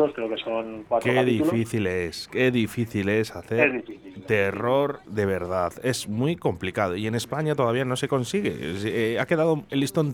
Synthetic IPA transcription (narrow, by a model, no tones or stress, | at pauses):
oskɾeokesoŋkwat̪ɾoeaðiufliθileske̞ðifiθile̞saθeezðifiθilt̪e̞ro̞ɾðe̞βe̞ɾð̞aðe̞zmwiko̞mplikaðo̞ie̞ne̞spaɲat̪o̞ð̞aβiano̞se̞ko̞nsiɣe̞̰ake̞ðað̞oelist̪on